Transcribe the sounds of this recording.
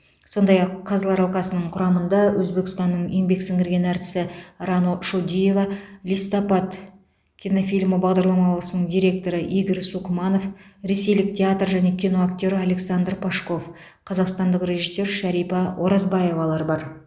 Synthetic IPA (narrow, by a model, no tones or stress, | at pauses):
so̞nd̪ɑjɑqʰːɑzlˠɑɾɑlˠqɑsənəɴqʰʊɾɑmənd̪ɑwʔɵzbe̞kst̪ɑnːəɴembe̞ksɪŋɡɪɾɡʲe̞næɾt̪ɪ̥sɪrɑnoʃod̪ʲije̞vɑlijst̪opɑt̪ | kʲʰino̞fʲijlʲməbɑʁd̪ɑɾlˠɑmɑlˠəsənəɴd̪ʲiɾe̞k̚t̪o̞ɾəʔiɡʲəɾsukmɑno̞fɾe̞se̞jlɪk̚tʲʰeat̪rʒæne̞kʲino̞aktʲo̞ɾale̞ksand̪rpʰaʃko̞f | qʰɑzɑqst̪ɑnd̪əqrʲe̞ʒisːe̞ɾʃæɾijpɑwʔo̞ɾɑzbɑje̞vɑlˠɑɾbɑɾ